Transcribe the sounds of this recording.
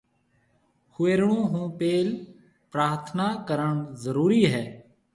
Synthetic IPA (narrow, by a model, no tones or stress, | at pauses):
hʊeːɾɳũːɦũːpeːl | pɾaːɾt̪ʰnaːkəɾəɳzəɾuːɾiːɦɛː